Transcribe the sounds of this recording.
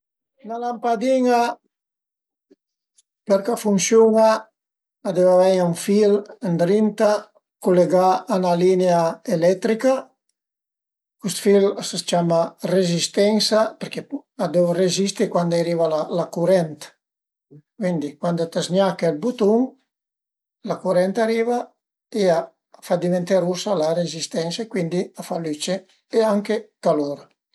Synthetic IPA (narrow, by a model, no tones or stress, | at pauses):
nalampad̪iŋa | pɛɾkafuŋsjuŋaː | d̪ɛvavɛjauɱfilnd̪ɾint̪a | kuleɡaːnalineaelɛt̪ɾika | kust̪filasəst͡ʃamarezist̪ɛŋsapeɾkead̪ɛvrezist̪ikwand̪aɾiːvalalakuɾɛnt̪ | kwind̪ikwand̪ot̪aznjakːalbut̪uŋ | lakuɾɛnt̪aɾiːva | ea | fad̪ivent̪aɾusalaɾezist̪ɛnsaekwind̪iafalyt͡ʃeː | aŋkekalɔːɾ